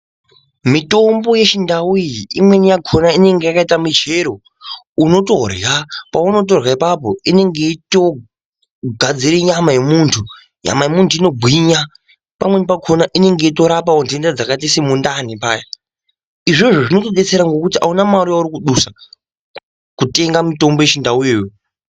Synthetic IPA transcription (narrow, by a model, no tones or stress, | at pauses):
mito̞mbo̞je̞t͡ʃindawuiimwe̞nijakʰo̞naine̞ŋɡe̞jakaitamit͡ʃe̞ɾo̞ | uno̞to̞rjapauno̞t̬o̞rwaipapo̞ine̞ŋɡe̞ito̞ | ɡʱad͡ziɾeɲamaje̞muːntʰu | ɲa̰majemuntʰuino̞ɡʱwiɲa | pamwenipakʰo̞naʔine̞ŋɡe̞ito̞ɾapaondendad͡zakatisemundanipaːja | iʐeʐoʐino̞toɗet͡seɾaŋɡo̞kutiʔa̰unamaɾiauɾikuɗusa | kute̞ŋɡamito̞mbojet͡ʃindaujejo